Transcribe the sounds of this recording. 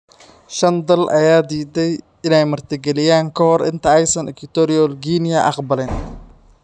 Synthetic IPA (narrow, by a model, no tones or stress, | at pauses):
ʃɐnd̪ɐlʔɐjaːd̪iːd̪ɛj | ɪnɛjmɐrt̪ʰɪɡɛlɪjaːŋkʰɐhɔrʔɪ̰nt̪ʰɐɛjsɐnʔɪkʰɪt̪ɔɾɪɔlɡiːnɪjɐʔɑqbɐlɛn